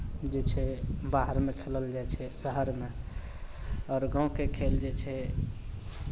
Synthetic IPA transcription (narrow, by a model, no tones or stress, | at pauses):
d͡ʒet͡ʃʰɛbaɦəɾmekʰeləld͡ʒat͡ʃʰɛsəɦəɾme | ɔːɾɡãw̃kekʰeld͡ʒet͡ʃʰɛ